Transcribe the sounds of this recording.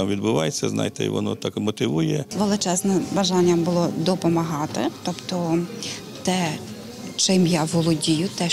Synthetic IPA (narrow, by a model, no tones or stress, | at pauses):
mʋʲid̪bʊʋɑjet͡sʲːɐ̰znɑ̰jt̪ɛ̰ʋɔ̰nɔ̰t̪ɑkmɔt̪ɪʋujɛʋelˠɪt͡ʃɛznɛbɐʒɑnʲːɐbʊlˠɔd̪ɔpɔmɐɦɑt̪ɪ̰t̪ɔpt̪ɔ | t̪ɛ | t͡ʃɪmjaʋɔlˠɔdʲijʊt̪ɛ